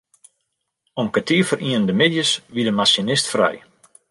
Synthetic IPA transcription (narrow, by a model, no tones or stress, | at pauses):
ɔmkətiəfərʔiənəndəmɪdjəsʋidəmasjənɪstfrɛ̰j